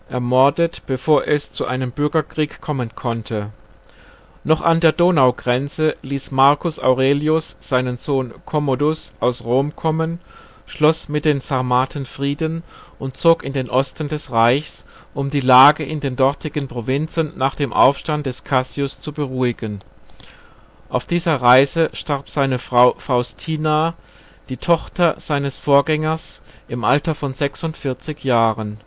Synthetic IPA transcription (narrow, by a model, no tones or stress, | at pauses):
ʔɛɐmɔɐdətb̥əfoːɐʔɛst͡suʔa̰ɪnəmbʏɐɡɐkʁ̥iːkkʰːɔmənkʰɔntʰə | nɔχa̰ndeːɐdoːnaʊɡʁɛnt͡səliːsmaʁkʰʊsʔa̰ʊʁeːljʊsz̥aɪnənzoːnkʰɔmodʊsʔaʊsʁoːmkʰɔmən | ʃlɔsmɪt̚d̥eːnt͡saʁmaːtʰən̩fʁ̥iːdən | ʔʊnt̚t͡soːkɪndeːnʔɔstn̩dɛsʁaɪçs | ʔʊmdiːlaːɡəʔɪndeːndɔɐtɪɡənpʁ̥ovɪnt͡sənːaːχd̥eːmʔa̰ʊfʃtant̚d̥ɛskʰasjʊst͡subəʁuːɪɡən | ʔaʊfd̥iːzɐʁaɪzəʃtaʁpz̥aɪnəfʁaʊfaʊstʰiːna | d̥iːtʰɔχtɐz̥aɪnəsfoːɐɡɛŋɐsʔɪmʔaltɐfɔnzɛksʊntfɪɐt͡sɪçjaːʁən